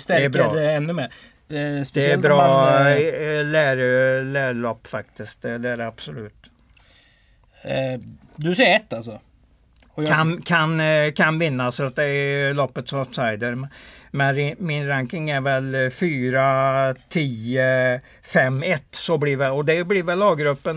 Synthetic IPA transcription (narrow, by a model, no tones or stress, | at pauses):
st̪ɛæɾɑːd̪ɛɛnːɵmeː | sd̪ɛæbɾɑː | læɾlæːɾɭɔpːfak̚t̪ɪsk̪̚d̪ɛd̪ɛæɾab̥sɔlʉ̟ːt̪ | d̪ɵsɛːɛt̪ːalsɔ | ɔkankʰankʰanvɪnːasfɾat̪̚d̪ɛælɔpːət̪sat̪sajd̪əɾmmɛnɪmɪnɾaŋkɪŋæɾvɛlfyːɾat̪ʰiːə | fɛmːɛt̪ːsɔbliɾvɛlɔd̪ɛblɪɾvɛlːɑːɡɾɵpːən